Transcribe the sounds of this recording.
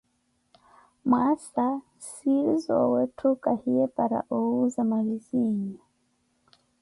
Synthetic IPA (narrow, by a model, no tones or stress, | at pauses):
mwasa | sizɔ̰wɛtʰukahiɛpaɾa̰ʔɔuzamaɣiziɲa